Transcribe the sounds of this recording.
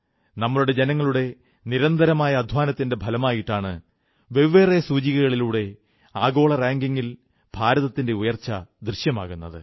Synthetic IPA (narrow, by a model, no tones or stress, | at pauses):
nɐmːɐɭuɽe̞d͡ʑe̞nɐŋːɐɭuɽe̞ | niɾɐnd̪ʱɐɾɐmaːjɐːd̪ʱwaːnɐt̪ːinde̞bʱɐlɐmaːjiʈːaːɳɨ | ʋe̞ʋʋeːrɐjɐsuːt͡ɕiɣɐɣɐɭiluːɽe̞ | aːɡo̞ːɭɐraːŋɡiŋːil | bʱaːɾɐðɐt̪ːinde̞ujɐrt͡ɕːɐd̪rɨɕjɐma̰ːɣunːɐðɨ̰